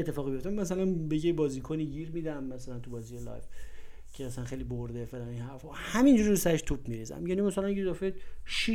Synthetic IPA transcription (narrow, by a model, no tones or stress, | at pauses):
t̪ʰːe̞fɒːɣbijo̞ft̪æmæs̬ælænbejebɒːziːkʰoniːɟiɾmiːd̪æmːæsælænt̪ʰubɒːzijelɒ̰jv | cʰeæsænxejliboɾd̪efelæninhæɾfɒhæmind͡ʒuɾiɾusæɾeʃt̪ʰub̚miɾiːzæ̰mjæːnimæsælænjezɒfeʃi